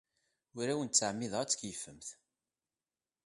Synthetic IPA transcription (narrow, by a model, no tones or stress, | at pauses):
ʊɾæwənt͡sːaʕmːɪðˤʁæt͡sːkjəfəmθ